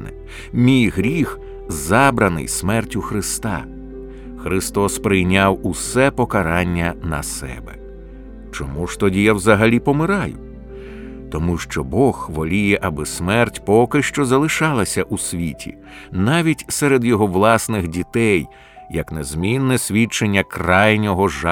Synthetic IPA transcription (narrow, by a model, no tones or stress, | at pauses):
nɪ̰ | mʲijɦɾʲix | zɑbɾɐnɪ̰jsmɛrtʲʊxɾɪst̪ɑ̰ | xɾɪst̪ɔspɾɪjnʲawusɛpɔkɐɾɑnʲːɐnɐ̰sɛ̰bɛ̰ | t͡ʃɔmuʃt̪ɔdʲijɐwzɐɦɐlʲipɔmɪɾɑjʊ | t̪ɔmuʃt͡ʃɔbɔxʋɔlʲijɛʔɐbɪsmɛrtʲpɔkɪʃt͡ʃɔzɐlˠɪʃɑlˠɐsʲɐʔusʲʋʲitʲʰḭ | nɑʋʲitʲsɛɾed̪jɔɦɔʋlˠɑsnɪxdʲit̪ɛj | jɐknezmʲinːɛsʲʋʲit͡ʃenʲːɐkrɑjnʲɔɦɔʒa